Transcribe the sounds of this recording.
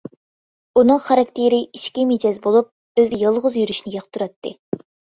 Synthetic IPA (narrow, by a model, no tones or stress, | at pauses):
unɨŋχɑɾɑk̚ʲt̪ʰeɾɪiʃkʲimed͡ʒɑzbolˠup̚ | øzd̪ɪjɑlˠʁʊzjyɾyʃnɪjɑχt̪ʰuɾɑt̪ʰːɨ